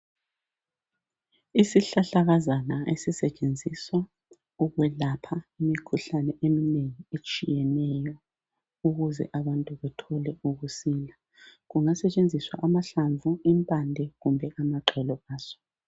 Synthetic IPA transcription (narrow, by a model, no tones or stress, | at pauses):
isiɬaɬaɣazanaḛsisɛt͡ʃʼend͡zʱiswa | uɣwɛlapʰaimikʰuɬanɛʔemineŋiet͡ʃʼijɛnɛjɔ | uɣuzɛ̰ʔaβantʼuβɛtʰɔlɛuɣusiːla | ɣuŋasɛt͡ʃʼend͡zʱiswa̰ʔamaɬaɱvʱuimpʼandʱɛɣumbʱɛʔamaǃʱɛlɔaːz̥ɔ̥